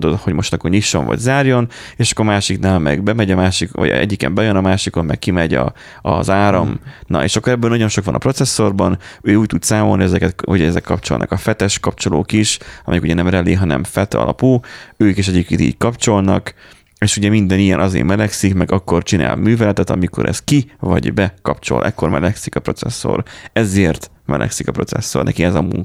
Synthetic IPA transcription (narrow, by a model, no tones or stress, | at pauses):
d̪oho̞ɟmo̞ʃt̪ɒkːorɲiʃːo̞̰ɱvɒ̰ɟzaːrjo̞neːʃɒ̥kːoːɾmaːʃiknaːlmɛ̰ɡbɛmɛɟɒmaːʃikʋɒ̰ɟɛ̰ɟːikɛ̰mbɛjønɒmaːʃikonmɛkːimɛɟɒ̰ | ɒzaːɾɒmnɒ̰ḛːʃɒkːoɾɛbːøːnɒɟo̞nʃo̞kʋɒnɒ̰pro̞t̪sɛsːo̞rbɒnøːuːc̚t̪ud̪saːmo̞lniɛzɛkɛt̪uɟɛɛzɛkːɒp̚t͡ʃo̞̰lnɒ̰kɒfɛt̪ɛʃkɒp̚t͡ʃo̞lo̰ːkiʃɒmʔɛ̰jɛkuɟɛnɛmrɛleːɦɒnɛ̰mfɛt̪ɒ̰lɒ̰puːøːkeːʃ̬ɛɟiːp̚keːniːckɒpt͡ʃo̞lnɒk | eːʃuɟɛmind̪ɛnijɛnʔɒzḛːmɛlɛksikmɛɡɒkːo̞rt͡ʃina̰ːlmyːvɛlɛt̪ɛt̪ɒmiko̞̰ɾʔɛ̰skivɒ̰ɟbɛkɒpt͡ʃo̞̰lʔɛkːo̞rmɛ̰lɛksikɒpro̞t̪sɛsːo̰rɛzeːrt̪ | mɛ̰lʔɛ̰ksikɒpɾo̞̰t̪sɛ̰sːornɛ̰kiɛzɒmuŋk